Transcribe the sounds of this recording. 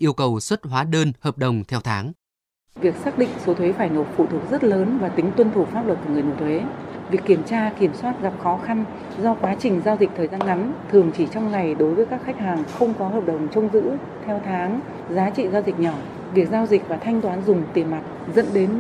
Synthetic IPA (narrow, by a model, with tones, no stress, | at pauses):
ʔi˧əwkə˨˩wswə˦˥t̚ɦwaː˨˦ɗəː˧nhəː˨˩p̚ɗə˨˩wŋ͡mt̪ʰɛ˧wt̪ʰaː˨˦ŋ | vi˨˩ək̚saː˦˥k̚ɗḭ̈˧˨ŋ̟so˨˦t̪ʰwe˨˦faː˧˩jno˨˩t̚fṵ˧˩t̪ʰu˨˩ək̚zə˦˥t̚ləː˨˦nvaː˨˩t̪ï˨˦ŋ̟t̪wə˧nt̪ʰu˧˩faː˦˥p̚lwə˨˩t̚ku˧˩ŋ˨˩əjno̰˧˩t̪ʰwe˨˦vi˨˩əkːi˧˩əmt͡ɕaː˧ki˧˩əmswaː˦˥t̚ɣa˨˩p̚xɔ˨˦xa˧n | zɔ˧kwaː˨˦t͡ɕï˨˩ŋ̟zaː˧wzi˨˩k̚t̪ʰəː˨˩jzaː˧nŋa˨˦mt̪ʰɨ˨˩əŋt͡ɕi˧˩t͡ɕɔ˧wŋ͡mŋa˨˩jɗo˨˦jvəː˨˦jkaː˦˥kxa˦˥k̟̚haː˨˩ŋxə˧wŋ͡mkɔ˨˦ɦəː˨˩p̚ɗə˨˩wŋ͡mt͡ɕə˧wŋ͡mzɨ̰˧˥ | t̪ʰɛ˧wt̪ʰaː˨˦ŋ | zaː˨˦t͡ɕḭ˧˨zaː˧wzï˨˩k̟̚ɲɔ˧˩ | vi˨˩ək̚zaː˧wzi˨˩k̚vaː˨˩t̪ʰa˧jŋ̟t̪waː˨˦nzʊ˨˩ŋ͡mt̪i˨˩əma˨˩t̚zə̰˧˥nɗe˨˦n